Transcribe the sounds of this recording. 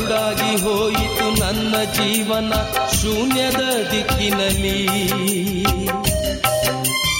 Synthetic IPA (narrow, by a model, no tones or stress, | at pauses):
ɽaːɡiɦoːjit̪unɐnːɐd͡ʒiːʋɐnɐʃunjɐd̪ɐd̪ikːinɐli